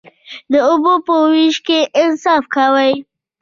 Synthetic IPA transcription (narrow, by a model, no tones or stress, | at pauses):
d̪əʊbopəwiʃkeʔɪnsɑfkawaj